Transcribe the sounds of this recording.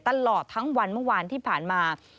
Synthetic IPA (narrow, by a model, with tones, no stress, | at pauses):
t̪a˧lɔː˨˩t̪ʰːa˦˥ŋwa˧nmɯ˥˩˨waː˧nt̪ʰiː˥˩pʰaː˨˩nmaː˧